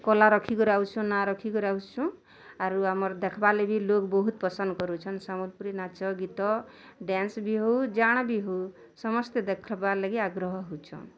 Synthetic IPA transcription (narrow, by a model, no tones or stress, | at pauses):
kɔlaɾɔkʰikɔɾawt͡ʃʰũnaɾɔkʰikɔɾawt͡ʃʰũ | aɾuamɔɾd̪ekʰbalebilokbɔɦut̪pɔsɔnd̪kɔɾut͡ʃʰɔnsamulpuɾinat͡ʃɔɡit̪ɔ | ɖansbiɦowd͡ʒaɽ̃biɦow | sɔmɔst̪ed̪ekʰɔbalaɡiaɡɾɔɦɔɦowt͡ʃʰɔ̰̃